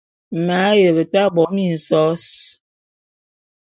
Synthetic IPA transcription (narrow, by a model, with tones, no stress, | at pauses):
ma˨˦jə˨bə˨ta˦bɔ˨˦mi˦˨n̩˨sɔ˦s